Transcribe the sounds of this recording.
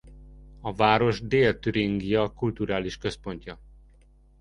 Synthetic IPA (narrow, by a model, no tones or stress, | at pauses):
ɒvaːɾo̞ʒd̪eːlt̪yɾiŋɡijɒkult̪uɾaːliʃkø̞spo̞ɲcɒ